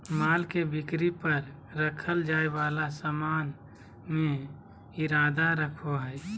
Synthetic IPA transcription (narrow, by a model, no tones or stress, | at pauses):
maːlkebɪkɾipəɾ | ɾəkʰəld͡ʒaːebaːlasəmaːn | mẽ | ɪɾaːd̪aɾəkʰoɦəj